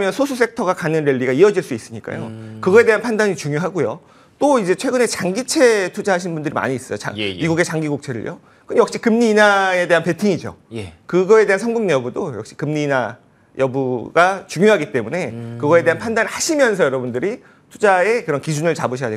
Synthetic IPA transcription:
mjʌnsʰosʰus͈ek̚tʰʌɡakanɯnɾeʎːiɡaiʌd͡ʑiɭs͈uis͈ɯɲik͈a̰jo̰kɯɡʌe̞deanpʰandaɲit͡ɕuŋjoɦaɡojo | t͈oid͡ʑe̞t͡ɕʰwe̞ɡɯne̞t͡ɕaŋɡit͡ɕʰe̞tʰud͡ʑaɦaɕ̬ʰinbundɯɾima̰ɲiːs͈ʌjot͡ɕa̰miɡuɡe̞t͡ɕaŋɡiɡok̚t͡ɕʰe̞ɾɯ̰ɭjʔo̰ | kɯnjʌk̚ɕ͈ikɯmɲiːnae̞de̞ɦanpe̞tʰiŋid͡ʑo̰jkɯɡʌe̞de̞ɦansʰʌŋɡuŋɲeʌbudojʌk̚ɕ͈i̥kɯmɲiːna | jʌbuɡat͡ɕuŋjoɦaɡit͈e̞mune̞kɯɡʌe̞de̞ɦanpʰandanɭhaɕʰimjʌns̬ʰʌjʌɾʌbundɯɾi | tʰud͡ʑae̞kɯɾʌnkid͡ʑunɯɭt͡ɕaboɕʰʌjade

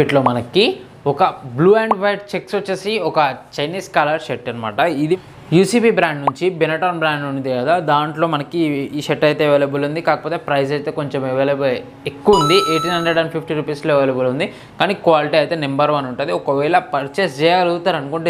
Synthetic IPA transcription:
iʈlo̞ːmɐnɐkːi | ɔkɐbluːeːɳɖʋɐjʈ̚t͡ʃeksʋɐt͡ʃːesiɔkɐt͡ʃɐjniːskaːlɐɾʃeʈːɐnɐma̰ːʈɐid̪i | juːsiːbiːbɾaːɳɖnuɲt͡ʃibenɐʈaːnbɾaːɳɖund̪iɡɐd̪aːd̪aːɳʈlo̞ːmɐnɐkiʃeʈːɐjt̪eːʋejlebulund̪ikaːkɐpoːt̪eːpɾɐjsɐjt̪e̞ːko̞ɲt͡ʃemeʋelebl | ekːuʋɐund̪iʔeːʈiːnɦɐɳɖɾeɖɐɳɖpʰipʰʈiɾupiːsloːʋelebulund̪i | kaːnikʋaːliʈiɐjt̪e̞ːnembɐɾʋɐnuɳʈund̪iɔkɐʋɛːɭɐpɐɾt͡ʃesd͡ʒɛːjaːluut̪aːɾɐnukuɳʈe

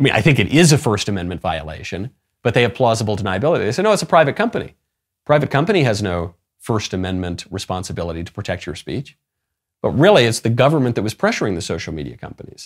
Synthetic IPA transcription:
aɪmĩnʔa̰ɪθɪ̃ŋkɨɾʔɪzɨfɜ˞stɨmɛ̃nmɨ̃ntv̥aɪɨ̰lḛɪʃɨ̃n | b̥ʌt̪̚ðeɪɨv̥pʰl̥ɔzəbl̩ˠtʰənaɪɨbɪlˠəɾiðeɪseɪnoʊɨtsəpʰɹ̥aɪvɨt̚kʰʌ̃mpɨnḭ | pʰɹ̥aɪvɨt̚kʰʌ̃mpɨñiɨznoʊ | fɜ˞stɨmɛ̃nmɨ̃nʔɹɨspɑ̃nsɨbɪlˠəɾiɾə̥pʰɹ̥ɨtʰɛk̚t͡ʃə̰˞spḭt͡ʃ | b̥ʌt̚ɹɪlˠiɨtsðɨɡʌvə˞mɨ̃nðɨt̚wʌz̥pʰɹ̥ɛʃə˞ɪ̃ŋðɨsoʊʃl̩ˠmḭɾḭɨkʰʌ̰̃mpənḭz̥

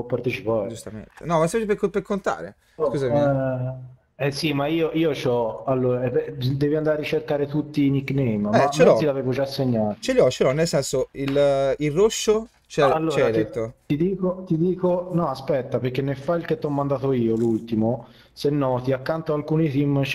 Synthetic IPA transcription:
ɔpːart̪et͡ʃipaːd͡ʒust̪amḛnt̪e̥̰nɔmaset͡ʃipekopekːont̪a̰ːɾḛ | kuzai | ɛsimaiːoʔiːot͡ʃɔalːoːɾaɛd̪ɛːviand̪aɾaɾːit͡ʃerkaːɾet̪ut̪ːiːniknejmɛt͡ʃelɔilaveːvod͡ʒaasːeɲːaːt͡ʃeʎɔt͡ʃːelɔnːelsɛnsoililroʃːo | t͡ʃɛalːot͡ʃːɛɾaɾit̪ːot̪id̪iːkot̪id̪iːkonɔaspɛt̪ːaperkːenːefːailket̪ːɔmːand̪aːt̪oiːolult̪imo | senːɔːt̪iakːant̪oalkuːnit̪im

